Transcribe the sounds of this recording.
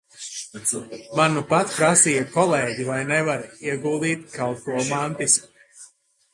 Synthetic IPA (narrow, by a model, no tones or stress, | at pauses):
manupat̪pɾasiːjakɔlˠeːɟivajnɛvaɾiɛɡulˠd̪iːt̪kalˠt̪̚kuɔmant̪is